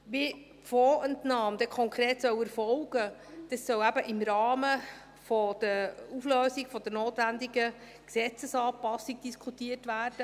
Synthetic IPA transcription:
ʋi | foːɛntnɑːmd̪ɛkʰɔŋkɾeːtsœwɛɾfɔlɡ̥əd̥ɑsːœwæb̥əʔɪmɾɑːmə | fɔd̪̥əufløːsiɡfɔd̪əɾnoːt̪ʋænd̪iɡə | ksɛt͡səsɑːpɑsiɡ̚d̥iskʰutiətʋæːrd̥ə

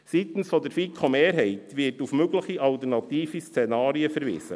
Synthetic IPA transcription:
sit̪n̩sfɔd̪əɾfikʰomeːɾɦɛɪt̪ʋɪtufmøɡləχiʔɑlt̪ənɑt̪iːfist͡senɑːɾiəfəɾʋɪ̰ːsə̰

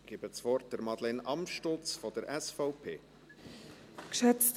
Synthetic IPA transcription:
ɡ̥ibət͡svɔrt̚d̥əɾmɑd̥̪lɛnɑmʃtolt͡sfɔd̥əɾʔɛsfɔʊpʰeː | kʃɛt͡st

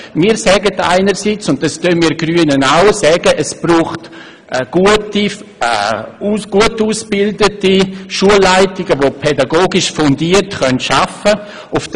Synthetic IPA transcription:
miːɾsɛːɡəta̰ɪnəɾsit͡sʊnt̚dɑstøːnmiːɡɾyənənaʊsɛːɡəʔəsb̥ruːχtː | ɡ̥uəti | ɡ̥uətuːsb̥ɪldətiʃuəlːaɪtɪɡəvopʰɛdaɡoːɡɪʃfɔndiərtχœntʃafə | ʊf

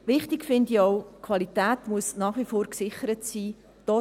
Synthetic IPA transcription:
ʋɪχtikfɪndiɔʊkʰʋɑlitæːtmuəsnɑːχʋifoːɾksɪχəɾətsiː | d̥ɔː

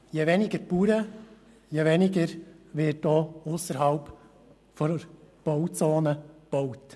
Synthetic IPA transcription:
jeʋɛnɪɡəɾpuːɾə | jeʋɛnɪɡəɾʋɪːt̚d̥ɔːʊsəɾɦɑlp | fɔɾb̥ɔwt͡soːnəb̥ɔwt

